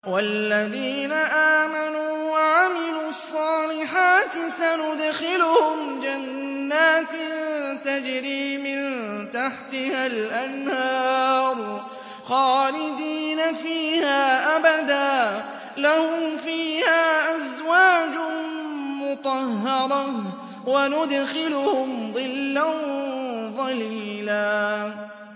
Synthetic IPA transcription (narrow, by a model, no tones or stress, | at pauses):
walːaðiːnaʔaːmanuːwaʕamɪluːɑsˤːɑːlɪħaːt̪ɪsanʊd̪xɪlʊhʊmd͡ʒanː | aːt̪t̪ad͡ʒɾiːmɪnt̪aħt̪ɪhalʔanhɑːɾˤ | xɑːlɪd̪iːnafiːhaːʔabad̪aː | lahʊmfiːhaːʔazwaːd͡ʒʊ | mʊt̪ˤɑhːɑɾˤɑ | wanʊd̪xɪlʊhʊmðˤɨlːan | ðˤɑliːlaː